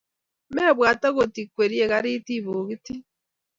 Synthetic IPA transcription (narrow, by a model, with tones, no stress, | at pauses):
me˦˨βwaː˨ta˦ɣo˨ti˨kwe˨ɾi˦e˨ɣa˦ɾi˦ti˦βu˨ɣi˦ti˦